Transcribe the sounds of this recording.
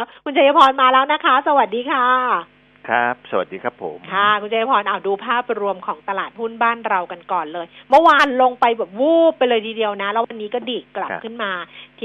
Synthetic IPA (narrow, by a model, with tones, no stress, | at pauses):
kʰu˧nt͡ɕʰa˧ja˦˥pʰɔː˧nmaː˧lɛː˦˥wna˦˥kʰa˦˥sa˧wa˨˩t̪̚diː˧kʰaː˥˩ | kʰa˦˥p̚sa˧wa̰˨t̪̚diː˧kʰa˦˥pʰːo̰˩˦mkʰa˥˩kʰu˧nt͡ɕʰja˦˥pʰɔː˧nʔaː˨˩wduː˧pʰaː˥˩p̚ɾu˧əmkʰɔː˩˦ŋt̪a˧laː˨˩t̪̚pʰhu˥˩nbaː˥˩nɾa˧wka˧nkɔː˨˩nlɤː˧jmɤ˥˩waː˧nlo˧ŋpa˧jbɛː˨˩p̚wuː˥˩pːa˧jlɤː˧jt̪ʰiː˧di˧əwna˦˥lɛː˦˥wa˧nːiː˦˥kɔː˥˩diː˨˩kːla˨˩pkʰɯ˥˩nmaː˧t̪ʰ